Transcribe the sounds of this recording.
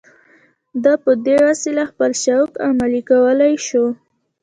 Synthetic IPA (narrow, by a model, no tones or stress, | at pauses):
d̪ɑpəd̪eɾasilaxpəlʃawkamalikawəlajʃo